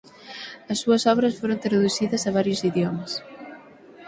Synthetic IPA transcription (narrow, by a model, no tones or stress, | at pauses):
ɐsːuɐsɔβɾɐsfoɾõnt̪ɾɐðuθiðɐsɐβaɾjʊsiðjomɐs